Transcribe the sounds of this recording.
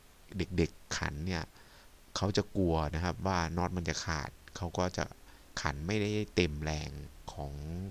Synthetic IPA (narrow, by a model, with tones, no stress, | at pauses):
de˨˩k̚de˨˩kʰːa̰˩˦nːi˥˩ɐ | kʰa˦˥wt͡ɕa˨˩ku˧ɐna˦˥kʰa˦˥p̚waː˥˩nɔː˦˥t̪̚ma˧nt͡ɕa˨˩kʰa̰ː˨˩t̪̚kʰa˦˥wkɔː˥˩t͡ɕa̰˨˩ʔ | kʰa˩˦nma˥˩jda˥˩ja˥˩jt̪e˧˩mlɛː˧ŋkʰɔː˩˦ŋ